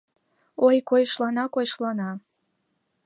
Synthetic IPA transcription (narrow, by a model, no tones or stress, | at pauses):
ojkojʃlɑnɑkojʃlɑnɑ